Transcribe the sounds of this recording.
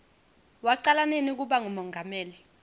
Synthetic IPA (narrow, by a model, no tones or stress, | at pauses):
waǀalanenik̬uɓaŋumɔŋɡʱamɛːli